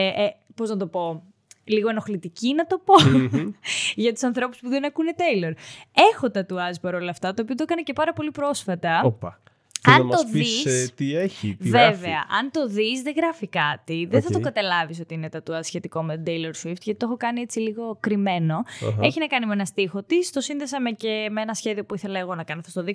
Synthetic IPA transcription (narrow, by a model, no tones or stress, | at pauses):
po̞znɐt̪̬o̞po̞ | liɣoenoxlit̪icinɐt̪o̞po̞ | ʝɐt̪u̥sɐnθɾo̞puspuðe̞nɐkune̞t̪ejleɾe̞xo̞t̪ɐt̪uɐzpɐɾo̞lɐːft̪ɐt̪oːpiot̪oekɐnɐce̞pɐɾɐpo̞lipɾo̞sfɐt̪ɐopɐ | ɐmt̪oðisst̪ieçḭvevveɐʔɐnt̪o̞ðisðeɣɾɐfikɐt̪iðeθɐt̪okɐt̪ɐlɐviso̞t̪iinet̪ɐt̪uɐzsçe̞t̪iko̞met̪d̪ejleɾsuift̪ʝɐt̪it̪oxo̞kɐniet͡siliɣo̞kɾime̞no̞̰eçinɐkɐnimenɐst̪ixo̞t̪ist̪o̞sinðesɐmecemeenɐsçe̞ðio̞puiθe̞lɐeɣo̞nɐkɐnɐθost̪oði